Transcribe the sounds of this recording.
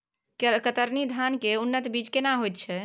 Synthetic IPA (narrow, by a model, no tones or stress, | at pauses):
kət̪əɾnid̪ʱankeunːət̪bid͡ʒkenaɦojt̪̚t͡ʃʰɛ